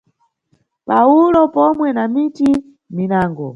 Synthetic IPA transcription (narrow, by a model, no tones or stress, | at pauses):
paulɔpɔmwɛnamiti | minaːŋɡɔ